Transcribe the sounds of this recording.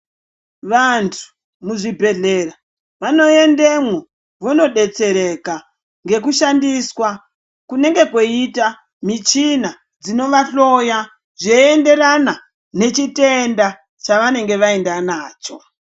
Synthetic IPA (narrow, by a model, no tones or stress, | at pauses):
ʋantʰu̥ | muʐibʱe̞ɮe̞ra | ʋano̞e̞ndemwo | ʋono̞ɗe̞t͡se̞ɾe̞ka | ŋɡe̞k̬uʃandiswa | kune̞ŋɡe̞kwo̞ita | mit͡ʃina | d͡zino̞ʋaɬo̞ja | ʐeende̞rana | ne̞t͡ʃite̞nda | t͡ʃaʋane̞ŋɡe̞ʋae̞ndanaːt͡ʃo̞